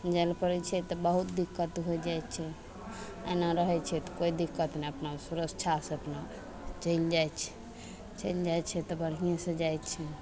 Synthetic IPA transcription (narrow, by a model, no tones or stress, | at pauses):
d͡ʒɛlpəɾɛt͡ʃʰɛt̪ɔbəɦut̪̚d̪ikːət̪ɦojd͡ʒajt̪t͡ʃʰɛ | ə̰naɾəɦɛt͡ʃʰɛt̪ɔ̥koid̪ikːət̪neəpnasuɾəkt͡ʃʰaseəpna | t͡ʃəjld͡ʒajt͡ʃʰɛ̥ | t͡ʃəjld͡ʒaj̪t͡ʃʰɛt̪ɔbəɽ̤ɦijẽsẽd͡ʒajt̪t͡ʃʰɛ